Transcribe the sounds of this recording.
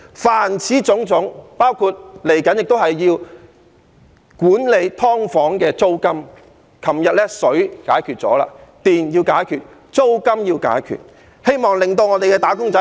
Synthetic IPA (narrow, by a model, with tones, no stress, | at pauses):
faː˨˩nt͡sʰiː˨˥t͡sʊ˨˥ŋt͡sʊ˨˥ŋpaː˥wkʰuː˧t̚le˨˩jkɐ˨˥njɪ˨k̚t̪o˥wɦɐ˨jːiː˧w | kuː˨˥nle˨˧jt̪ʰɔː˥ŋfɔː˨˥ŋkɛː˧t͡so˥wkɐ˥m | kʰɐ˨˩mjɐ˨t̚lɛ˥sɵ˨˥ɥkaː˨˥jkʰyː˨˩t̚t͡sɔ̰ː˨˥la̰ː˧t̪iː˨njiː˧wkaː˨˥jkʰyː˨t̚ | t͡so˥wkɐ˥mjiː˧wka̰ː˨˥jkʰy̰ː˨˩t̚ | he˥jmɔː˨ŋlɪ˨˩ŋt̪o˧wŋɔː˨˧t̪e˨jkɛː˧t̪aː˨˥kʊ˥ŋt͡sɐ˨˥